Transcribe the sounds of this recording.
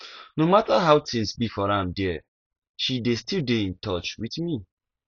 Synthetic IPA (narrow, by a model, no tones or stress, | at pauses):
nomataɦaʊtĩnsbifɔɾãmdɛ | ʃidestildeĩntɔt͡ʃwitmi